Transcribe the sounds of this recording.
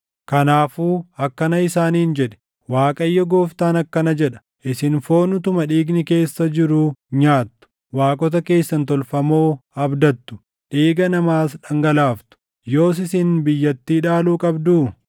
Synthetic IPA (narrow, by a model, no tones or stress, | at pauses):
kɐnaːfuːɐkːɐnɐɪsaːniːnd͡ʒɛᶑɛ̥ | waːkʼɐjːɔɡo̞ːft̪aːnɐkːɐnɐd͡ʒɛᶑɐ̥ | ʔɪsɪnfo̞ːnʊt̪̬ʊmɐᶑiːɡnɪke̞ːsːɐd͡ʒɪɾuːɲaːt̪ːʊ̥ | waːkʼɔt̪ɐke̞ːsːɐnt̪ɔlfɐmo̞ːɐbd̪ɐt̪ːʊ̥ | ᶑiːɡɐnɐmaːsᶑɐŋɡɐlaːft̪ʊ̥ | jo̞ːs̬ɪsɪnbɪjːɐt̪ːiːᶑaːluːkʼɐbd̪uː